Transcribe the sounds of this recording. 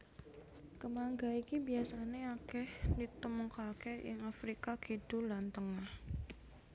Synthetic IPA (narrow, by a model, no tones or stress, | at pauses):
kəmaŋɡaikibiasaneakɛhdit̪əmukakeɪ̰ŋafɾikakid̥ṳlant̪əŋah